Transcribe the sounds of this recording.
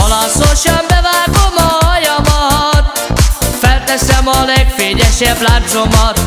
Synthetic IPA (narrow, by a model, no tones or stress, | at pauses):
ɒlɒsoʃɛmbɛvaːɡomɒjɒmɒt̪ | fɛlt̪ɛsɛmɒlɛɡfeːɲɛʃɛblaːnt̪so̞mɒt̪